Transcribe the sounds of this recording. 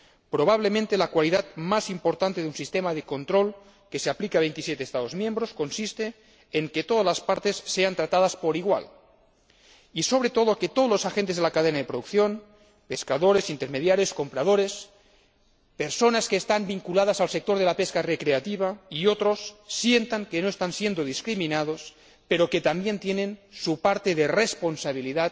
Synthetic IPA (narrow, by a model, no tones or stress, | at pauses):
pɾo̞β̞aβ̞lemẽnt̪elakwaliðat̪masimpo̞ɾt̪ant̪e̞ðunsist̪emaðeko̞nt̪ɾo̞l | ke̞seaplikaβe̞jnt̪isjet̪eːst̪aðo̞zmje̞mbɾosko̞nsist̪eː | ŋket̪oð̞azlaspaɾt̪e̞sːeant̪ɾat̪að̞aspo̞ɾiɣwa̰l | iso̞β̞ɾet̪o̞ðoket̪oðozlosaxent̪ezðelakaðenaðe̞pɾoðukθjo̞n | pe̞skaðoɾe̞sint̪emeðjaɾjo̞sko̞mpɾað̞o̞ɾes | pe̞ɾso̞naskeːst̪ambiŋkulað̞asalse̞k̚t̪oɾð̞elapeskarekɾeat̪iβ̞aiot̪ɾo̞sːje̞nt̪aŋkeno̞est̪ansjend̪oðiskɾiminað̞os | pe̞ɾo̞ket̪ambje̞nt̪je̞ne̞nsupaɾt̪e̞ðerespo̞nsaβ̞iliða